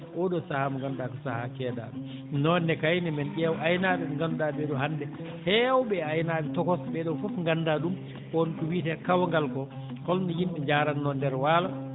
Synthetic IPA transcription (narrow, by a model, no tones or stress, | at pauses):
ʔɔɗɔsahamɔŋɡandakɔsahakɛːda̰ːdɛ | nɔnːɛkajnɛmɛnɗiawʔajnaːdɛŋɡandabɛɗɔhandɛ | hɛawbɛajnaɗɛtɔkɔsbɛɗɔfɔfŋɡandaɗum | kɔnkuwitɛkawŋɡalkɔ | kɔldɔjimɓɛɲd͡ʒaːɾanːɔndɛɾwala